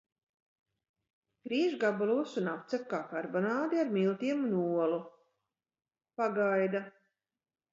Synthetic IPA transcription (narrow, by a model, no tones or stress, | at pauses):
kɾiːʒɡabalˠuɔsunap̚t̪sɛp̚kaːkaɾbɔnaːd̪iaɾmilˠt̪iɛmunuɔlu | paɡajd̪a